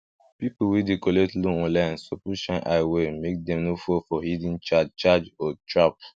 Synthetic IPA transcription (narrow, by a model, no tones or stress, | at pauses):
pipowidekoletlũɔ̃nlãnsopuʃãnʔaɪwemek̚dɛ̃mnofofɔhidĩnt͡ʃad͡ʒt͡ʃad͡ʒɔtɹap